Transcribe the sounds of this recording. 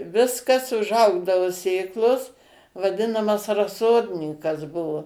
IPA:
ˈʋʲɪskɐs ʊʒˈɐʊɡdɐʋʊ ˈsʲeːklˠoːs ʋɐˈdʲɪnɐmɐs rɐˈsoːdʲnʲɪŋkɐs ˈbʊʋoː

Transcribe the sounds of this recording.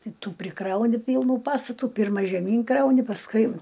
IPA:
ˈtɐɪ ˈtuː pʲrʲɪˈkrɐʊnʲɪ ˈpʲiːlˠnuː ˈpɑːstɐtuː ˈpʲɪrmɐ ʒʲɛˈmʲiːn ˈkrɐʊnʲɪ pɐsˈkʊɪ

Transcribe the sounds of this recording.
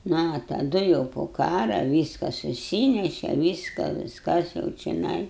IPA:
nʊ ɐ tɐˈdʊ jɛʊ poː ˈkɑːrɐ ˈʋʲiːskɐ sʊˈsʲiːnʲɛʃʲɛ ˈʋʲiːskɐ ʋʲɪsˈkɐs jɛʊ t͡ʃʲɛˈnɐɪ

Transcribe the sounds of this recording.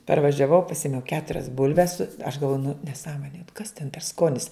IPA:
pɐrʋɐʒʲɛˈʋɐʊ pɐˈsʲɪmʲɛʊ ˈkʲæːtʊrʲɛs ˈbʊlʲʋʲɛs sʊ ɐʃ ɡɐlˠˈʋoːjʊ nʊ nʲɛˈsɑːmoːnʲeː kɐs tʲɛn pʲɛr ˈskoːnʲɪs

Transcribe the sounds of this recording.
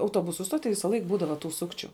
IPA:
ɐʊˈtuɔbʊsʊ ˈstoːˌtʲiː ˈʋʲɪsɐlˠɐɪk ˈbuːdɐʋɐ tuː ˈsʊkt͡ʃʲʊ

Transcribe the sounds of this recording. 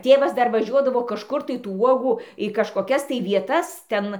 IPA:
ˈtʲeːʋɐs ˈdɐr ʋɐˈʒʲuɔdɐʋoː kɐʃˈkʊr tɐɪ tuː ˈuɔɡuː iː kɐʃkoːˈkʲɛs tɐɪ ʋʲiɛˈtɐs ˈtʲɛn

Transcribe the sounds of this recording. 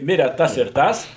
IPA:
ˈmʲɪrʲɛ ˈtɐs ɪr ˈtɐs

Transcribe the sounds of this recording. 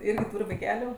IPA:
ˈɪrʲɡʲɪ ˈtuːrʲ ʋɐɪˈkʲæːlʲʊ

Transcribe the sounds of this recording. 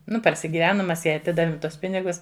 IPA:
ˈnʊ pɐrʲsʲɪɡʲɪˈʋʲæːnʊm ˈmʲɛs ˈjɛɪ ɐˈtʲɪdɐʋʲɪm ˈtuɔs ˈpʲɪnʲɪɡʊs

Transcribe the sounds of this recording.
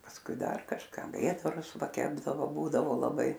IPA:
pɐsˈkʊɪ ˈdɐr kɐʃˈkɐ ˈʋʲeːdɐrʊs ˈʋɐ ˈkʲæːbdɐʋoː ˈbuːdɐʋoː lˠɐˈbɐɪ

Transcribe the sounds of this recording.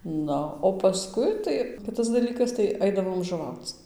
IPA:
ˈnʊ oː pɐˈskʊɪ ˈtɐɪ ˈkʲɪtɐs dɐˈlʲiːkɐs tɐɪ ˈɐɪdɐʋoːm ʒʊˈʋɐʊt͡s

